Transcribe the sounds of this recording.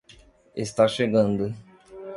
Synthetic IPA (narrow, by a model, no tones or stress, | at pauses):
est̪aʃeɡɐ̃nd̪ʊ